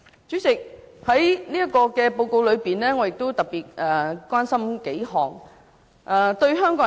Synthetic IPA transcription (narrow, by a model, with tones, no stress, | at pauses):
t͡sy˨˥t͡sɪ˨k̚hɐ˨˥jniː˥jɐ˥tkɔː˧kɛː˧po˧wko˧wlɵ˨˧ɥpiː˨˩nlɛː˥ŋɔː˨˧jɪ˨k̚t̪o˥wt̪ɐ˨k̚piː˨˩t̚ʔɛː˨kwaː˥nsɐ˥mke˨˥jɦɔː˨˩ŋ | ʔɛː˨˩t̪ɵ˧ɥɦœː˥ŋkɔː˨˧˥